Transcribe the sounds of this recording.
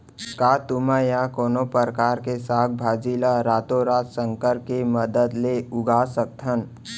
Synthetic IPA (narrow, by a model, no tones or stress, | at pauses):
kaːt̪ʊmajakoːnopəɾkaːɾkesaːk̪̚ʰbʱaːd͡ʒiːlaɾaːt̪oɾaːt̪sə̃ŋkəɾkeməd̪əd̪leʊɡaːsək̚t̪ʰən